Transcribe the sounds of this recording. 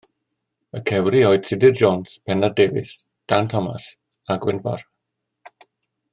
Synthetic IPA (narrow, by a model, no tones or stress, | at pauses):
əkʰɛwɾiɔɨtʰɪdɪrd͡ʒoːnspʰɛnardeːvɪ̰s | d̥antʰɔma̰s | aɡwɪnva̰r